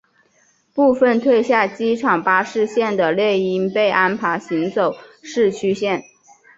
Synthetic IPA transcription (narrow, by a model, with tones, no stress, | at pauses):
pu˥˧fə˥˧nt̪ʰwe˥˧ɪɕja˥˩t͡ɕi˥ʈ͡ʂʰɑ˨˩ŋpa˥ʂɻ̩˥˧ɕjɛ˥˩nd̪ə˩ljɛ˥˩ɪi˥npe˥˩ɪʔa˥npʰa˧˥ɪɕi˧˥ŋt͡so˨˩˦ʊʂɻ̩˥˩t͡ɕʰy˥ɕjɛ˥˩n